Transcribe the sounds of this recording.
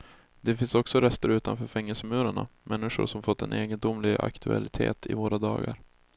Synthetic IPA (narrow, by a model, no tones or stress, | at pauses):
d̪ɛfɪnsɔksɔɾɛst̪əɾʉ̟ːt̪anfœːɾfɛŋːɛlsəmʉ̟ːɾaɳa̰mʔɛnːɪʂʊ̰ɾʂɔmfɔt̪ːɛnʔeːɡənd̪ʊmːlɪɡa̰kt̪ʰɵa̰lɪt̪ʰeːt̪ʰɪvoːɾad̪ɑːɡaɾ